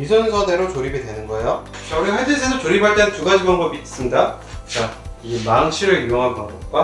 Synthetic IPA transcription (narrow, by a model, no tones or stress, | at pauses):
isʰʌnesʰʌne̞ɾot͡ɕoɾibidwe̞nɯnɡʌejo | t͡ɕʌɾiɦaɭd͡ʑis̬ʰedot͡ɕoɾipʰaɭt͈ent͡ɕuɡaɕʰimʌnɡʌbis͈ɯmɲida | t͡ɕaimaŋɕʰiɾɯɭijoŋɦankaɾʌt̚k͈wa